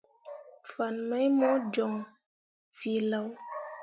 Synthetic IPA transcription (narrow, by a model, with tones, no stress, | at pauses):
fa˨nmə˦jmɔ˦d͡ʒɔ˨ŋ | vi˨la˨w